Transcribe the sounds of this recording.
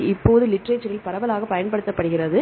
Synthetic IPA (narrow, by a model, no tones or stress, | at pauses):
ɪpːoːðɯlɪʈreːt͡ʃːɐɾɪlpɐɾɐʋɐlaːɣɐpɐjɐnpɐɽɯt̪ːɐpːɐɽɯɣɪrɐðɯ